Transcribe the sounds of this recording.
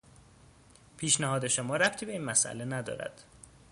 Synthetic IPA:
pʰiːʃnæhɒːd̪e̞ʃomɒːɾæp̚t̪ʰiːbe̞iːnmæsʔæ̰le̞næd̪ɒ̰ːɾæ̰d̪̥

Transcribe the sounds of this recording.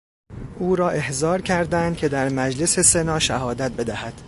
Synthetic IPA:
ʔuːɾɒːʔe̞hzɒːɾcʰæɾd̪ænd̪̥̚cʲʰe̞d̪æɾmæd͡ʒle̞se̞se̞nɒːʃæhɒːd̪æt̪̚be̞d̪æhæd̪̥

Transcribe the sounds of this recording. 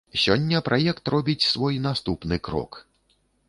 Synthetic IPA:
sʲɔnʲːɐpɾʔajɛkt̪ɾɔbʲit͡sʲsvɔjnast̪upnɨkɾɔ̰k

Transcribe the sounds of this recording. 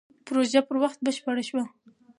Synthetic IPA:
pɾoʒapəɾwaxt̪̚bəʃpaɽaʃwa

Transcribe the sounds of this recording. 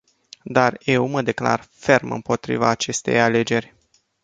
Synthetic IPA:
d̪arjewməd̪e̞kla̰rfe̞rmɨ̰mpo̞t̪ɾḭvaːt͡ʃe̞st̪e̞̰jale̞d͡ʒe̞rʲ

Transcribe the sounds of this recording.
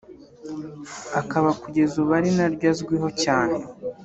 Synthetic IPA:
akaβakuɟe̞zuβaɾinaɾɟazɡwiɦo̞caːnee

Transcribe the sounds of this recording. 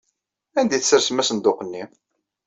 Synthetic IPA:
ænd̪iθəsəɾsəmæsənd̪oqənːi

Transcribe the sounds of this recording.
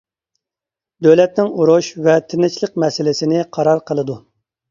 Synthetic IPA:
d̪øwlɛt̪̚nɪŋuɾuʃvɛt̪ʰɪnɪt͡ʃlˠəq̚mɛsɪlɪsɪnɪqʰɑɾɑɾqʰəlˠɨd̪u

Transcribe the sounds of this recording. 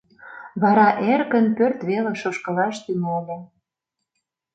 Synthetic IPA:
βɑɾɑʔerɣə̆npørt̪βelĕʃoʃkɤ̆lɑʃt̪ynolʲĕ

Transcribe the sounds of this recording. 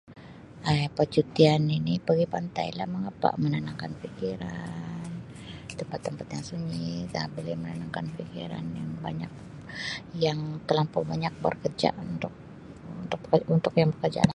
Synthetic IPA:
ʔajpət͡ʃut̪ianinipəɡipant̪a̰jlahməŋapa̰ʔmənənaŋkanfikiɾan | t̪əmpat̪ːəmpat̪ɲaŋsuɲit̪abolɛhmənənaŋkanfikiɾa̰njaŋbaɲak̚ | jaŋt̪əlampʊbaɲak̚bə̰rkərd͡ʒa̰ʔunt̪ʊk̚ | ut̪ʊk̚unt̪ʊkjaŋbəkərd͡ʒa̰la

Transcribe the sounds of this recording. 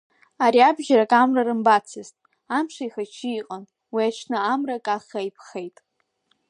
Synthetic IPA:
aɾiabʒʲarakʼamrarɨmbat͡sʰɨztʼ | amʂaiχat͡ʃʰiːqʼan | wiat͡ʃʰnɨamrakʼaχajpʰχe̞jtʼ

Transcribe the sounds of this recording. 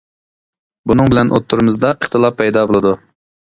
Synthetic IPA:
bunɨŋbɪlɛnʔot̪ʰːuɾmɨzd̪ɑʔiχt̪ʰɨlˠɑpʰːɛjd̪ɑbolˠɨd̪u

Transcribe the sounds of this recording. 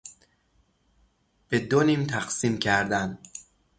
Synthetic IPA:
b̥e̞d̪onimt̪ʰæqsiːmcʰæɾd̪æn

